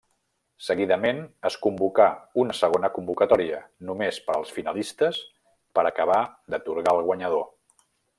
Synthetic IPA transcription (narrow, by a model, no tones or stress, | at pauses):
səɣiðəmenəskumbukaunəsəɣ̞onəkumbukət̪ɔɾiənumespəlˠsfinəlist̪əs | pəɾəkəβ̞ad̪ət̪uɾɣalˠɣwəɲəðo